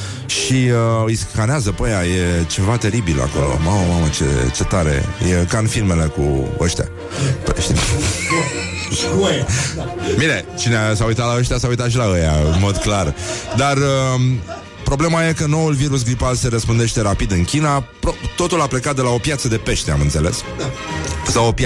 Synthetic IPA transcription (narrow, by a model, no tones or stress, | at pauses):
ʃiəiskaneazəpəjaje̞t͡ʃe̞vat̪e̞ɾibila̰ko̞̰lo̰maməmamət͡ʃe̞̰t͡ʃe̞t̪aɾe̞̰jekanfilme̞le̞kṵəʃt̪ʲa̰ | pḛʃt̪im | mine̞t͡ʃineasaujt̪at̪laəʃt̪ʲasaujt̪at̪ʃ̬ilaəjaɨnmo̞d̪klard̪arə | pɾo̞ble̞maje̞kəno̞ulviɾus̬ɡɾipalse̞ɾəspɨnd̪eʃt̪e̞ɾapid̪ɨnkʲinapɾot̪o̞t̪ulaple̞kat̪̚d̪e̞lao̞pjat̪səd̪e̞pe̞ʃt̪e̞a̰mɨnt̪se̞le̞̰s | sawopj